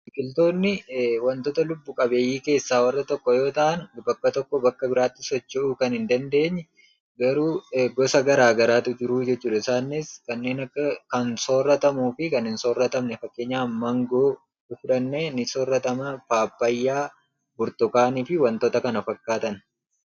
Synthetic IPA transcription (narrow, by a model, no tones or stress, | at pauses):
kʼɪlt̪o̞ːnːɪwɐnt̪ɔt̪ɐlʊbːʊkʼɐbe̞ːjːiːke̞ːsːaːwɐrːɐt̪ɔkːɔjo̞ːt̪ɐʔɐnbɐkːɐt̪ɔkːɔbɐkːɐbɪɾaːt̪ːɪsɔt͡ʃːɪuːkɐnhɪnd̪ɐnd̪e̞ːɲːɛ | ɡɐɾuːɡɔsɐɡɐɾaːɡɐɾaːt̪ʊd͡ʒɪɾuːd͡ʒɛt͡ʃːuːᶑɐɪsaːnːɪskɐnːe̞ːnɐkːɐkɐnsoːrːɐt̪ɐmuːfɪkɐnhɪnsoːrːɐt̪ɐmnɛfɐkːe̞ːɲːaːmːɐŋɡoː | kʊᶑɐnːeːnɪsoːrːɐt̪ɐmɐpaːbːɐjːaː | bʊɾt̪ʊkaːniːfɪwɐnt̪ɔt̪ɐkɐnɐfɐkːaːt̪ɐn